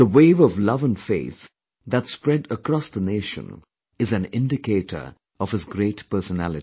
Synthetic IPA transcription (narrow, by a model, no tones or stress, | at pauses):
ðəweɪvɔvlʌvə̃nfḛɪθ | ðætspɹɛdəkɾɔsðəneʃə̰̃n | ɨzɨ̃nɪ̰̃ndɨkeɪɾʰə̰˞ | ʌv̥ɨzɡɾetpɜ˞sənæ̰lɨi